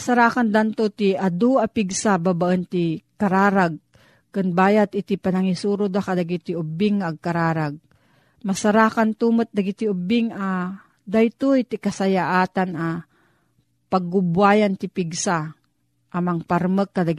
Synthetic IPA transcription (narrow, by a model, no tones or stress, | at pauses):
saɾakand̪ant̪ot̪iad̪uʔapiɡsababaʔənt̪ikaɾaːɾaɡ̚ | kɨnbaːjat̪ɪt̪ipanaŋisuːɾʊd̪akad̪aɡit̪iʊbɪŋːaɡ̚kaɾaːɾaɡ̚ | masaɾaːkant̪umɨt̪̚d̪aɡit̪iʊbɪŋa | d̪ajt̪ujt̪ikasajaʔaːt̪anʔa | paɡːʊbwaːjant̪ipiɡsa | ʔamaŋpaɾməkːad̪a